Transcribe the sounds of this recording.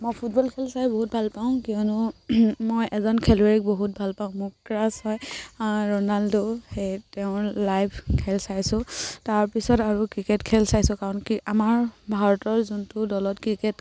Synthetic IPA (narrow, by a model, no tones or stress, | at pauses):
mojpʰut̚bɔlkʰɛlsajboɦut̚bʱalpaʊ̃kiɔnʊmojʔɛzɔnkʰɛleɹik̚boɦut̚bʱalpaʊ̃mʊɹkɹashɔjɹɔnaldohejtɛʊ̃lajbʰʱkʰɛlsajsʊ̃taɹpisɔtaɹukɹiketkʰɛlsajsʊ̃kaɹɔnkiamaɹbʱaɹɔtɔɹzuntʊdɔlɔtkɹiket